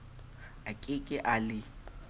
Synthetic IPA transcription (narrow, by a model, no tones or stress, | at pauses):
akʼɪkʼɪʔalɪ